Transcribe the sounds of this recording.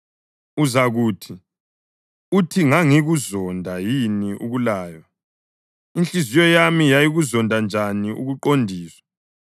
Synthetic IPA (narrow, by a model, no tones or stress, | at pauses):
uzaɣuːtʰi | utʰiŋaŋiɣuzɔndʱajiniʔuɣulaːjɔ | inɬizijɔjamijajiɣuzɔndʱand͡ʒʱaniʔṵɣuǃondʱiːswḁ